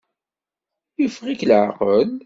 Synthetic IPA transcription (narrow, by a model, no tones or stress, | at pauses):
jəfʁikləʕqəl